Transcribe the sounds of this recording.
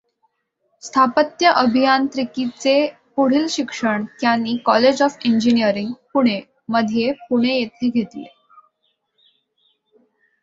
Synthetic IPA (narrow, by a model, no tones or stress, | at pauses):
st̪ʰapət̪jəʔəbʱijant̪ɾikit͡se | puɽ̤iːlɕikʂəɳt̪janːiːkɔled͡ʑɔfiɲd͡ʑinijəɾiŋɡpuɽ̃e | məd̪ʱijepuɽ̃ejet̪ʰeːɡʱet̪lḛ